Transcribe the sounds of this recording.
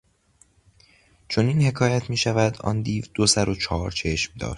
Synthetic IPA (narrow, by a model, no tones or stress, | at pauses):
t͡ʃʰo̞niːnhe̞kʰɒːjæt̪ʰmiːʃævæd̪ɒ̰nd̪iːvd̪̥osæɾo̞t͡ʃʰɒːɾt͡ʃʰe̞ʃmd̪ɒ̰ːʃt̪